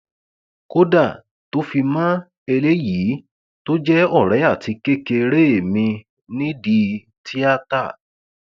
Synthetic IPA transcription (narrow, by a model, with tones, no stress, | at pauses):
ko˦da˦˨ | to˦fi˧mã˦ | e˧le˦ji˨˦ | to˦d͡ʒɛ˦ɔ˦˨ɾɛ˨˦a˦˨ti˨˧ke˦ke˧ɾe˦˨mĩ˧ | nĩ˦di˧ | tʰi˦a˦ta˦˨